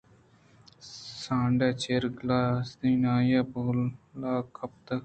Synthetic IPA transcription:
sãːɳɖet͡ʃeɾɡlaːsd̪iːnaːjaboːlːaːkʰːɐp̚t̪ɐ

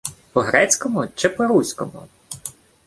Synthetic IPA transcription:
pɔɦɾɛt͡sʲkɔmʊt͡ʃɪpɔɾusʲkɔmʊ̰

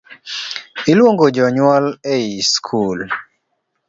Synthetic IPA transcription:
ilwoŋɡod͡ʒɔɲwaleiskʰul

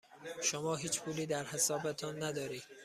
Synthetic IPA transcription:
ʃomɒːɦiːt͡ʃpʰuːliːd̪æɾhesɒːbet̪ʰɒːnːæd̪ɒːɾiːd̪̥

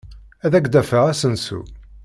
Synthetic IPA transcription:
æðæɡd̪æfəʁæsənsṵ

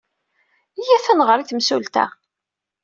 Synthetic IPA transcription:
ijæθænʁəɾiθmsult̪æ̰

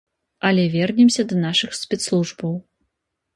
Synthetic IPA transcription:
ɐlʲɛvʲɛrnʲɛmsʲɐd̪ɐnaʂɨxsʲpʲɛt̪slˠuʐbɐw

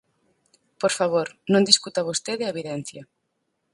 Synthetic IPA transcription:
poɾfaβoɾnõnd̪iskut̪ɐβost̪eðeeβiðɛn̟θjɐ

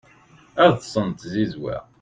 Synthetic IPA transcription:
æɾθsˤənt̪zizwæ̰

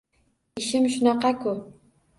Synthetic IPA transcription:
ɪʃɪmʃʊnɑqɑkʊ

